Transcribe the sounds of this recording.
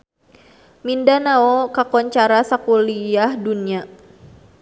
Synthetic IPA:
mindanaɔkakɔɲt͡ʃaɾasakuliahdunia

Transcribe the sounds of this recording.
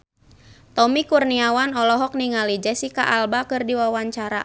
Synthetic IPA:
t̪ɔmikurniawanɔlɔɦɔk̚niŋalid͡ʒɛsikaʔalbakɨrdiwawaɲt͡ʃaɾa̰

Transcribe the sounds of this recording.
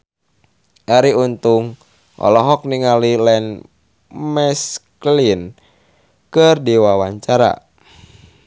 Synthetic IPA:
ʔaɾiunt̪uŋ | ʔɔ̰lɔɦɔk̚niŋalilɛn | mɛsklin | kɨrdiwawaɲt͡ʃaɾa̰

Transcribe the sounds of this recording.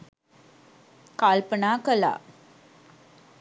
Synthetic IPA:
kaːlpɐnaːkɐla̰ː

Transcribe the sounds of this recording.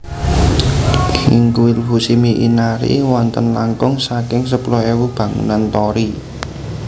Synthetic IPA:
hiŋkuilɦusimiʔinaɾḭwɔnt̪ənlaŋkʊŋsakɪŋs̬əplɔhewub̥ä̤ŋṵnant̪ɔɾi

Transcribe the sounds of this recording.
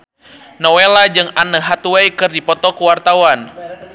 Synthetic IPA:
nɔwelad͡ʒɨŋanəɦat̪uwɛjkɨrdipɔt̪ɔkuwart̪awan

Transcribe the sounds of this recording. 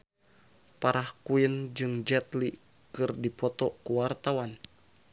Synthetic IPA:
paɾʔahkuind͡ʒɨŋd͡ʒɛt̪li | kɨrdipɔt̪ɔkuwart̪awan

